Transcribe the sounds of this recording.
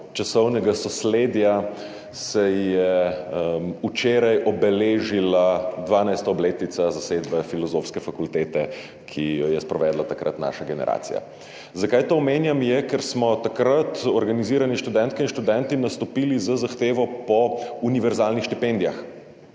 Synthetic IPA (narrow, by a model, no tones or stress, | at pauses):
t͡ʃasɔwnɛɡasɔsleːd̪ja | sɛjɛ | mut͡ʃeːɾajʔɔbɛleːʒilad̪ʋaːnajst̪aɔbleːt̪nit̪sazased̪bɛfilɔzofskɛfakult̪eːt̪ɛ | kʰijɔjɛspɾɔʋɛːd̪lat̪akɾə̰t̪na̰ːʃaɡɛnɛ̰ɾʔa̰ːt̪sḭja̰ | zakaːjt̪oːmeːnjamjɛkɛɾsmɔt̪akɾat̪ɔɾɡaniziːɾaniʃt̪ud̪ɛnt̪kɛinʃt̪ud̪ɛnt̪inast̪ɔpilizɐzaxt̪eːʋɔpɔuniʋɛɾzaːlnixʃt̪ipɛnd̪ija̰x